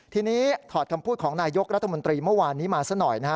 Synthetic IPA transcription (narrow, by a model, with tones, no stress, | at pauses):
t̪ʰiː˧niː˦˥t̪ʰɔː˨˩t̪̚kʰa˧mpʰuː˥˩kʰɔː˩˦ŋnaː˧jo˦˥k̚ɾa˦˥t̪ʰːmo˧nt̪ɾiː˧mɯ˥˩waː˧nːiː˦˥maː˧sa˦˥nɔ˨˩jna˦a˦˥